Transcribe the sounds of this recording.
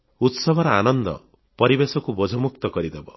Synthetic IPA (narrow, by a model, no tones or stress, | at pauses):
ut̪sɔbʱɔɾɔanɔnd̪ɔ̰ | pɔɾibesɔkubɔd͡ʒʱɔmuk̚t̪ɔkɔɾid̪ebɔ